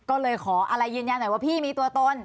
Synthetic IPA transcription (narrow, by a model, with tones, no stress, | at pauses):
kɔː˥˩lɤː˧jkʰɔː˩˦ʔa˧ɾa˧jːɯː˧nja˧nː˨˩˦waː˥˩pʰiː˥˩miː˧t̪u˧ɐt̪o˧n